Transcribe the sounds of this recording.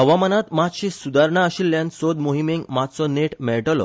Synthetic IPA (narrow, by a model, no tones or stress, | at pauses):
əʋamənat̪mat̪ɕisud̪ʱaɾɳaəɕilːjãnsod̪moɦimeŋɡmat̪t͡sɔneʈmɛɭʈlɔ̰